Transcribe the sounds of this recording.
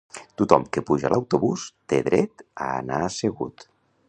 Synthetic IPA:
t̪ut̪ɔmkepuʒəlʔawt̪uβust̪eðɾɛt̪a̰ːnaəseɣṵt̪

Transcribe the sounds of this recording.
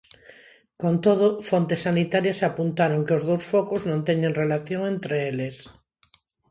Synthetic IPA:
kont̪oð̞ofont̪esanit̪aɾjasapunt̪aɾoŋkeozð̞owsfokoznõnt̪eɲẽŋrelaθjõŋent̪ɾeeles

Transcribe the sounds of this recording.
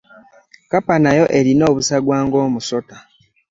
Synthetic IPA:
kapanajo̞ʔe̞ɾino̞ːβusaɡwaːŋɡo̞ːmuso̞ta

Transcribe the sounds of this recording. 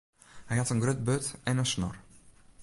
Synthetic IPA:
hɛjhɑtənɡrøt̚bøtɛnənsnɔ̰r

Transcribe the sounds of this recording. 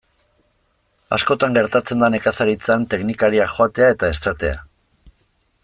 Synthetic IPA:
a̰sko̞t̪aŋɡe̞ɾt̪at͡se̞nd̪ane̞kasaɾit͡sant̪e̞knikaɾiaxoat̪e̞ae̞t̪aest̪at̪e̞a̰

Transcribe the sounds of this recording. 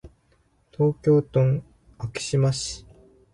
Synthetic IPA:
t̪ʰo̞ːkʲo̞ːt̪õŋ | akʲi̥ɕimaɕi̥

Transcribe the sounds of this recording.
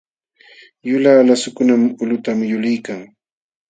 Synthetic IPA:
jʊlaːlasʊkʊnamʊlʊt̪amjʊlɪjkaŋ

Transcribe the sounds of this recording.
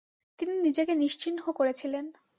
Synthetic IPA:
t̪ininid͡ʑekeniʃt͡ɕinɦokoɾet͡ɕʰilen

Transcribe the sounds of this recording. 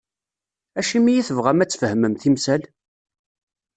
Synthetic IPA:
æʃimijiθəvʁæmæt͡sːfəhməmθimsæl

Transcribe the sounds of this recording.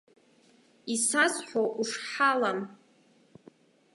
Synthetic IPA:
isazħʷoʔuʂħalam

